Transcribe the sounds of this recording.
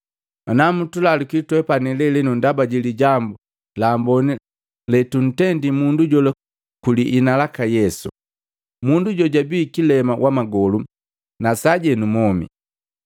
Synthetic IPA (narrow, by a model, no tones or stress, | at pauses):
anamutulalikitwɛpanɛlɛlɛnundabaɟiliɟambu | laːmbɔni | lɛtun̩tɛndimunduɟɔla | kuliʔinalakajɛsṵ | munduɟɔɟabiːkilɛmawʔamaɡɔlu | nasaɟɛnumɔmḭ